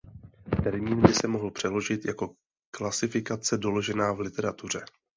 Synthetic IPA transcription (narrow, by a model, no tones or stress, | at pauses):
t̪ɛɾmiːnbɪsɛmo̞ɦl̩pr̝̥ɛlo̞ʒɪt̪jako̞ | klasɪfɪkat͡sɛdo̞lo̞ʒɛnaːvlɪt̪ɛɾat̪ur̝ɛ